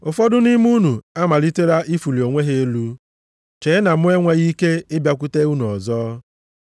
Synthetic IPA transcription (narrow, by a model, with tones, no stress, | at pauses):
ʊ˨fɔ˦dʊ˦ni˦mu˦nu˨a˦ma˨li˦te˦ɾa˦ʔi˦fu˨li˨o˨ŋʷe˦ɦe˦e˦lu˦ | t͡ʃe˨˦na˨mʊ˦e˦ŋʷe˦ɣi˦ke˦ɪ˦bja˨k̬ʷu˦te˦u˦nu˨ɔ˨zɔː˦